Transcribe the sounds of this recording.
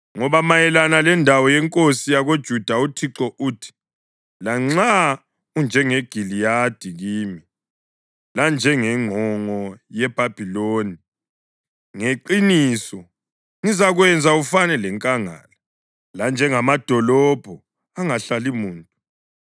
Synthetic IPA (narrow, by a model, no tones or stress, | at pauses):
ŋɔβamajɛlanalɛndʱawɔjɛŋkʼosijaɣod̥ʒ̥ʱud̥ʱautʰiǁɔʔuːtʰi̥ | laŋ͡ǀa | und͡ʒʱɛŋɛɡ̥ʱilijad̥ʱiɣiːmi | land͡ʒʱɛŋɛŋ͡ǃʱɔŋɔjɛb̥ʱab̥ʱiloːni | ŋeǃinisɔ | ŋizaɣwɛnd͡zʱaufanɛlɛŋkʼaŋa̰la | land͡ʒʱɛŋamad̥ʱɔlɔb̥ʱɔ | aŋaɬalimuːntʼu